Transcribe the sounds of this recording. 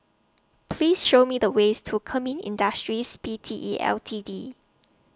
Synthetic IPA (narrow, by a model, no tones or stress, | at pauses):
pʰliːsʃomidəwestʰukʰəmĩnḭ̃ndəstɹispitʰiʔiʔɛ̰ltʰidi